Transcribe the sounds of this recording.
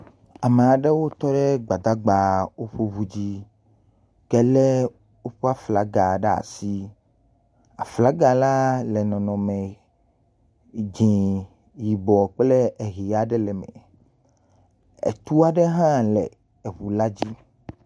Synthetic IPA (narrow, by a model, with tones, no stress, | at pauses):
a˨me˨a˨ɖe˦wo˦t̪ɔ˦ɖe˦ɡ͡ba˨d̪a˦ɡ͡ba˨wo˦ɸo˦βu˦d͡ʑi˦ | kɛ˦le˦ | wo˦ɸa˦fla˨ɡa˨ɖe˦a̰˨si˦ | a˨fla˦ɡa˨la˦lɛ˨nɔ̃˨nɔ̃˨mẽ˨ | d͡ʒĩ˨ | ji˨bɔ˨k͡ple˦e˨ɣi˨a˨ɖɛ˦lɛ˨mɛ̰˨ | ḛ˨t̪u˦a˦ɖɛ˦ɦã˦lɛ˨ | e˨βu˨la˦d͡ʑi˦